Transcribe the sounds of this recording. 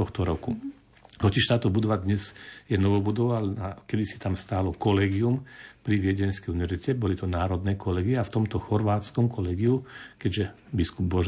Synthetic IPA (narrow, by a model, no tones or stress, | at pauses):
ɔxt̪ɔɾɔku | ɦɔt͡siʃt̪aːt̪ɔbud̪ɔʋad̪ɲɛzjɛnɔʋɔbud̪ɔʋalakɛd̪isi̥t̪amst̪aːlɔkɔlɛːɡiumpɾiʋɪɛɟɛnskɛjuniʋɛɾzicɛbɔlit̪ɔnaːɾɔd̪nɛːkɔlɛːɡiɛaft̪ɔmt̪ɔxɔɾʋaːt͡skɔmkɔlɛːɡiukɛɟʒɛ | biskub̚bɔʒ